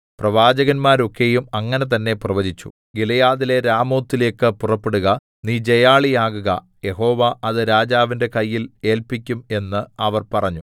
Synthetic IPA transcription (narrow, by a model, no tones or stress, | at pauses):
prɐʋaːd͡ʑɐɣɐnmaːɾo̞kːe̞jumɐŋːɐne̞t̪̬ɐnːe̞prɐʋɐðit͡ɕːu̥̰ | ɡilɐjaːðile̞ɾaːmo̞ːt̪ːile̞ːkːɨpurɐpːeɽuɣɐ | niːd͡ʑe̞jaːɭijaːɣuɣɐ̰ | je̞ɦo̞ːʋaʔɐðɨɾaːd͡ʑaːʋinde̞kɐjːile̞ːlpikʲːume̞nːɨɐʋɐrpɐrɐɲːu